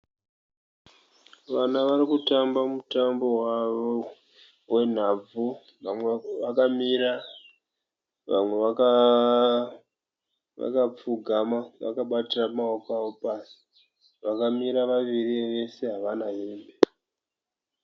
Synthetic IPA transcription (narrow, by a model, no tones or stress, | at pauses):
ʋanaʋaɾikutambamutambo̞waʋo | we̞n̤ab͡vu | ʋakamiɾa | ʋa̰mwe̞ʋaka | ʋa̰kap͡fuɡʱamaʋa̰kaɓatiramaokawo̞paːsi̥ | ʋakamiɾaʋaʋiriʋe̞se̞ɦaʋanaɦembe